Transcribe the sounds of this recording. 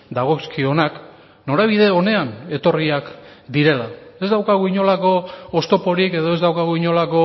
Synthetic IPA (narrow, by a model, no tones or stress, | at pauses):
d̪aɣ̞o̞skio̞nak | no̞ɾaβ̞iðe̞o̞ne̞ane̞t̪o̞riakd̪iɾe̞lae̞zd̪awkaɣ̞uiɲo̞lako̞ːst̪o̞po̞ɾike̞ð̞o̞e̞zd̪awkaɣ̞uiɲo̞lako̞